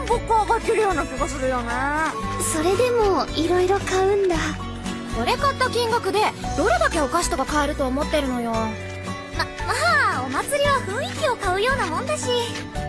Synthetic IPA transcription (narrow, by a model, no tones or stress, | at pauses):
bokːaɡakʲiɾɯ̟jo̞ːnakʲiɡas̬ɨɾɯ̟jonaso̞ɾe̞d̪e̞mo̞iɾo̞iɾo̞kaɯ̟̃nd̪a | oɾe̞kat̪ːakʲĩŋɡakɯ̟d̪e̞d̪̥o̞ɾe̞d̪ake̞o̞kaɕi̥t̪o̞kakaeɾɯ̟t̪o̞ːmo̞t̪ːe̞ɾɯ̟no̞jo̞ | mamaːo̞mat͡sɨɾʲiβaɸɯ̟̃ɰ̃ikʲio̞kaɯ̟jo̞ːnamõ̞nd̪aɕi